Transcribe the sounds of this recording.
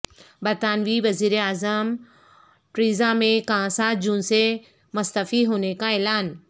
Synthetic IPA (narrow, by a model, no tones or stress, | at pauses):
bɐɾt̪aːnʋiʋɐziːɾeaːzəm | ʈɾiːzamẽkãːsaːd͡ʑũːnse | mʊst̪əfiɦoːnekaɛːlaːn